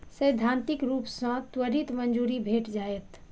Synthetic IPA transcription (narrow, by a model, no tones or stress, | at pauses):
səjd̪ʱãːnt̪ɪkɾuːpsə̃t̪wəɾit̪mənd͡ʒuːɾibʱeːʈd͡ʒaːet̪